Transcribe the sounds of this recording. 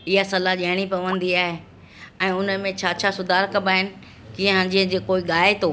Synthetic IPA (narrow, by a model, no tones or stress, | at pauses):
ɪɦasɐlaʄɐɦɪɽ̃ipɐʋə̃nd̪iaːɦe | ɛ̃ːʊnəmẽt͡ɕʰaːt͡ɕʰasʊd̪ʱaːɾkɐbaːɦɪnɪ̆ | kĩːə̃ɦə̃ɲd͡ʑiɦə̃d͡ʑeːkoːiɠaːet̪ʰoː